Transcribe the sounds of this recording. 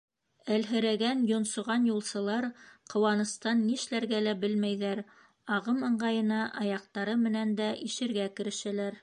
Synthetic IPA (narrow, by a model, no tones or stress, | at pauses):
ælɦɘ̆ɾæɡænjŏnsŏʁɑnjulˠsɤ̆lˠɑɾqʰŏwɑnɤ̆st̪ɑnːĭʃlæɾɡælæbɘlmæjðæɾ | ɑʁɤmɤ̆ɴɢɑjɤ̆nɑʔɑjɑq̚t̪ɑɾɤmɘ̆nænd̪æʔiʃɘ̆ɾɡækɘ̆ɾɘ̆ʃælæɾ